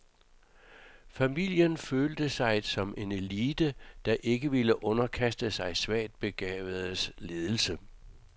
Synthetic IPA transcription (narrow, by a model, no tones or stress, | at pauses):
fæmil̰jənføːld̥əsɑ̈ɪd̥sɒ̽me̝ne̝liːd̥əd̥ɑ̈ʔe̝ɡ̥əʋiləʔɔ̽nɐkʰæsd̥əsɑ̈ɪsʋæ̰ːd̥̚b̥e̝ɡ̥ɛ̰ːʋð̩ˠsle̝ːð̞ˠl̩sə